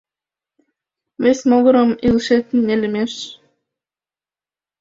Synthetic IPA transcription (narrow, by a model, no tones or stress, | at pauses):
mesʲmoɣɤ̆ɾomilʃet̪ɘnːelʲɘ̆meʃ